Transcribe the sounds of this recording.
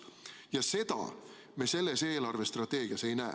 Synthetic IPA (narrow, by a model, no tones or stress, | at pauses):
jɑse̞d̪̥ɑ̰ | mese̞lːe̞se̞ːlɑrve̞st̪rɑt̪ːˑe̞ːɡ̥iɑse̞jnæ̰ː